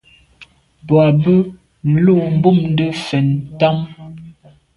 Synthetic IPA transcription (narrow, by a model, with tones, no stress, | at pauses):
bwa˨bə˦ | n̩˨lu˦˨m̩˨bu˦˨mn˦də˦fɛ˨nta˦m